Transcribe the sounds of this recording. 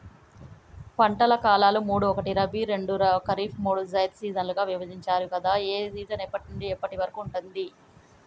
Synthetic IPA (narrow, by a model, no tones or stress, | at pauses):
pɐɳʈɐlɐkaːlaːlumuːɽuɔkɐʈiɾɐbiɾe̞ɳɖuɾɐkɐɾiːpʰmuːɽuzɐjd̪siːzɐnluɡaːʋiʋɐd͡ʒiɲt͡ʃaːɾukɐd̪aːeːsiːt̪ɐnɛːpːɐʈuɳɖiɛpːɐʈiʋɐɾɐkuːɳʈund̪i